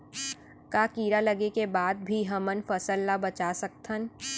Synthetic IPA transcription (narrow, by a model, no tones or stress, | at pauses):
kaːkiːɾalɐɡekebaːd̪̚bʱiɦɐmənfɐsəlːabɐt͡ʃasɐk̚t̪ʰən